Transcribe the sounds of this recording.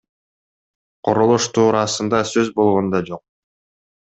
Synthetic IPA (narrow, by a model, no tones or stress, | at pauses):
qʰoɾolˠuʃt̪uːɾɑsɯnd̪ɑsøzbo̞lˠʁo̞nd̪ɑd͡ʒo̞q̚